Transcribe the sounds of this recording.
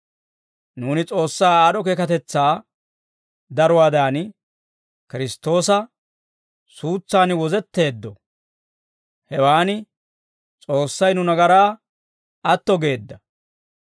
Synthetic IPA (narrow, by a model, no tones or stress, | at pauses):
nuːnɪt͡sʼo̞ːsːaːaːɗɔkeːkɐt̪ɛt͡sːaː | d̪ɐɾʊwaːd̪aːn | kɪɾɪst̪ːo̞ːsɐ | suːt͡sːaːnwɔzɛt̪ːe̞ːd̪ːɔ | hɛwaːnɪ | t͡sʼo̞ːsːɐjnʊnɐɡɐɾaː | ɐt̪ːɔɡe̞ːd̪ːɐ